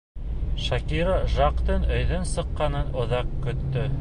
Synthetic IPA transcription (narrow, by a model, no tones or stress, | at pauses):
ʃɑkiɾɑʒɑqt̪ɤnɵ̆jðɵnsɤ̆qːɑnɤnŏðɑqkɵ̆t̪ːɵ